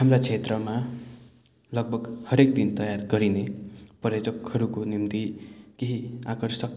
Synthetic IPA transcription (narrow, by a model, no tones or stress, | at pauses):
hamrat͡sʰet̪rʌma | lʌɡ̚bʱʌɡhʌɾek̚d̪int̪ʌjarɡʌɾinepʌrjʌtʌkhʌɾukonimt̪ikeɦiakʌrsʌk